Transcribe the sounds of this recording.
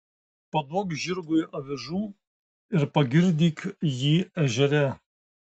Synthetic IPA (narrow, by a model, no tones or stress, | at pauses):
pɐd̪oːkʒʲɪɾɡʊjɐʋʲɪʒuː | ɪɾpɐɡʲɪɾʲd̪ʲiːkjiːɛʒʲɛɾʲɛ